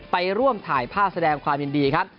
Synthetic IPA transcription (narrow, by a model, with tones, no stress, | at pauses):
pa˧jɾu˥˩əmt̪ʰaː˩˦jpʰaː˥˩p̚sa˧dɛː˧ŋkʰwaː˧mji˧ndiː˧kʰa˦˥p̚